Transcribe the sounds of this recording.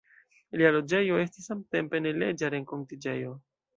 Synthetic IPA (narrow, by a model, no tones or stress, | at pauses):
lialo̞d͡ʒe̞jo̞e̞stisːamte̞mpe̞ne̞led͡ʒaɾe̞ŋko̞ntid͡ʒejo̞